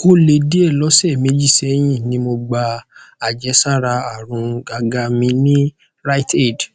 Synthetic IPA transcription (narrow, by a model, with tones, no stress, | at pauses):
ko˦le˧di˦ɛ˦˨lɔ˨˦sɛ˦˨me˨˦d͡ʒi˦˨sɛ˨˦j̃ĩ˦˨nĩ˧mo˧ɡ͡ba˧a˨d͡ʒɛ˨˧˦sa˦˨ɾa˧a˦˨ɾ̃ũ˧ɡa˧ɡa˧˦mĩ˧nĩ˦ | ɾa˦i˦˨tɛ˦˨d